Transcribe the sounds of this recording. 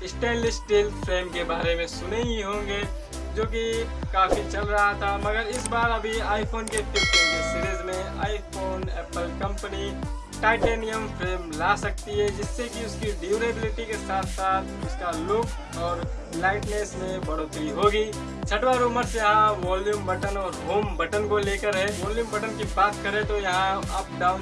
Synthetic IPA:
ɪsʈeːnlɪsʈilpʰɾeːmkebaːɾemẽsʊneɡiɦõːŋɡe | d͡ʒoːk̬i | kaːpʰit͡ʃəlɾəɦat̪ʰaməɡəɾɪsbaːɾəbʱiaːɪpʰoːnkeʈɪpːesiɾizmẽaːɪipʰoːnɛːpəlkə̃mpəni | ʈaːɪʈeːnijəmpʰɾeːmlaːsɐk̚t̪iɦɛd͡ʒɪsːekiʊskiɖjuːɾebɪlɪʈikesaːt̪ʰsaːt̪ʰʊskalʊk | ɔːɾ | laːɪʈneːsmẽbɐɽoːt̪ɾiɦoːɡiː | t͡ʃʰɐʈwaɾoːməɾsjɐɦãʋɔːljuːmbɐʈənɔːɾɦoːmbɐʈənkoleːkəɾɦɛ̃ʋɔːljuːmbɐʈənkibaːt̪kɐɾẽt̪ojɐɦãɐp̚ɖaːʊn

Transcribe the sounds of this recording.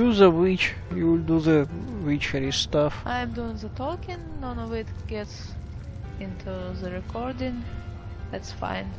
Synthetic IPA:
uðəwit͡ʃ | juwɪld̪uðəwit͡ʃəɾist̪afʔãɪ̃mduɪ̃ŋðətʰɔkɪ̃ŋnɔ̃nɔvɪtɡ̥ɛts | ɪ̃nt̪ʰuðəɹɛkʰɔɹdɪ̃ŋ | ðætsfã̰ɪ̃n

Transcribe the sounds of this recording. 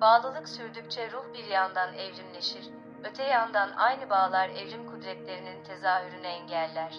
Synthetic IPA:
baːlˠɯlˠɯksyɾd̪yc̚ʲt͡ʃʰɛɾuhbiɾjand̪anɛvɾimlʲe̞ʃiɾ | ø̞t̪ʰɛjand̪anʔa̰jnɯbaːlˠaɾɛvɾimkʰud̪ɾɛt̪lʲe̞ɾinint̪ʰe̞zaːhyɾynɛɛɲɟælʲːæɾ̥

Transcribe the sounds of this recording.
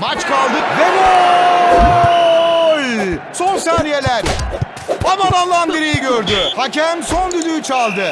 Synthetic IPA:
mat͡ʃkʰalˠd̪ɯvɛbo | jso̞nsaːɾije̞lʲæɾ | amanalˠːanbiɾijiɟøɾd̪yhacʰæmso̞nd̪yd̪yjt͡ʃʰalˠd̪ɯ

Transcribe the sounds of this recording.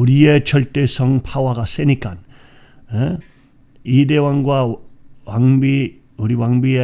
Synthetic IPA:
uɾiet͡ɕʰʌɭt͈esʰʌŋpʰawaɡas͈enik͈an | e | id̪ewaŋɡwawaŋbi | uɾiwaŋbie

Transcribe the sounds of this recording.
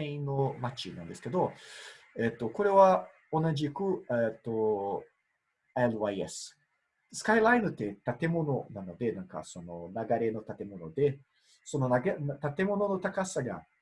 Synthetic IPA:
eĩnːo̞mat͡ɕinã̰nd̪e̞sɨ̥ke̞d̪o̞ | et̪ːo̞ko̞ɾe̞βa | o̞naʑikɯ̟et̪ːo | elβaiḛsɨ̥ | sɨ̥kailaino̟t̪ːe̞t̪at̪e̞mo̞no̞nano̞d̪e̞nãŋka̰so̞no̞naɡaɾe̞no̞t̪at̪e̞mo̞no̞d̪e̞ | so̞no̞naɡant̪at̪e̞mo̞no̞no̞t̪akasaɡa̰

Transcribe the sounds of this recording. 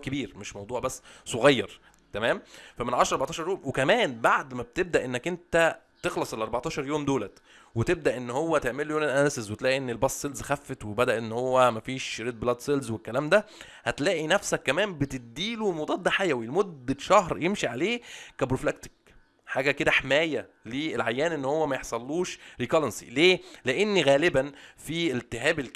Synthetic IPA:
kebiːɾmeʃmɑwd̪ˤuːʕbæsːsˤoɣɑjːɑɾˤ | t̪æmæːmfæmenʕɑʃɾɑɾbɑʕt̪ɑʃɑɾjoːmwekæmæːnbaʕd̪mæb̚t̪eb̚d̪æʔenːækʔent̪æ | t̪exlɑsˤʔlʔɑɾˤbɑʕt̪ɑːʃɑɾˤjoːmd̪oːlæt̪ | wet̪eb̚d̪æʔenːhowːæt̪eʕmeljoːnenʔænæsezwet̪læːʔiʔenːelbɑsˤːelzxæfːet̪webæd̪æʔenːhowːæmæfiːʃɾed̪̚blɑd̪selzwekːælæːmd̪æ | hæt̪læːʔinæfsækːæmæːmbet̪ed̪iːlumod̪ˤɑːt̪̚ˤd̪æħajæwilmod̪ːʃɑhɾjemʃiʕaleːkæbɾoflæk̚t̪i̥k̚ | ħaːɡæked̪æħamæːjæ | liːelʕajːæːnʔenːhowːæmæjeħsˤɑlːuːʃɾiːkɑlensḭleːleʔenːiɣæːlebænfiːelt̪ːeɦæːbel

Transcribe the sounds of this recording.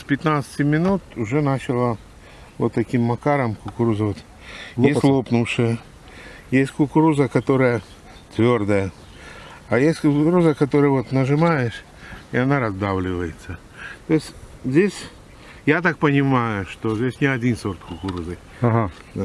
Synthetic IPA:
spʲɪt̪nat̪sə̥tʲɪmʲɪnut̪ʊʐɛnat͡ɕɪlˠə | vot̪ːɐkʲimːɐkaɾəmkʊkʊɾuzəʋət̪ | jestʲlˠopnʊʂɨjə | jesʲtʲkʊkʊɾuzəkɐt̪o̞ɾəjə | t̪vʲord̪əjə | ajesʲtʲkʊʊɾuzəkɐt̪oɾɨjəvo̞t̪nəʐɨmajɪʂ | ɪɐnaɾɐzd̪avlʲɪvəjɪt̪sə | t̪oɪsʲzʲdʲesʲ | jat̪ak̚pənʲɪmajʊʂt̪ozʲdʲesʲnʲɪɐdʲinsort̪kʊkʊɾuzɨ | ɦa

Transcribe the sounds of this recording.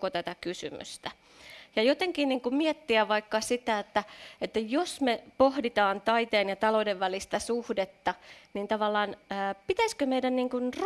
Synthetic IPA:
ot̪æt̪ækysy̰my̰st̪æ | jɑjot̪eŋkiːnniːŋkummiɛt̪ːiæʋʋɑikːɑsit̪æet̪ːæet̪ːæjosmepohdit̪ɑːnt̪ɑit̪eːnjɑt̪ɑloudeʋʋælist̪æsuhdet̪ːɑnint̪ɑʋɑlːɑːnəːpit̪æskømeidænniːŋkunr

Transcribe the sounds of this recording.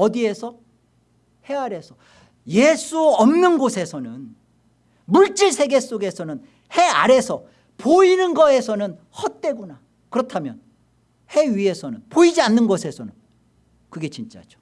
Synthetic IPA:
ʌdie̞sʰʌ | he̞aɾe̞sʰʌ | jes͈ʰuʌmnɯnɡosʰe̞sʰʌnɯn | muɭt͡ɕ͈iɭsʰe̞ɡe̞s͈oɡe̞sʰʌnɯn | he̞a̰ɾe̞sʰʌ | poinɯnɡʌe̞sʰʌnɯn | hʌt̚t͈we̞ɡuna | kɯɾʌtʰamjʌn | he̞ɥie̞sʰʌnɯnpoid͡ʑianːɯnɡʌsʰe̞sʰʌnɯn | kɯɡe̞t͡ɕint͡ɕ͈a̰d͡ʑo̥

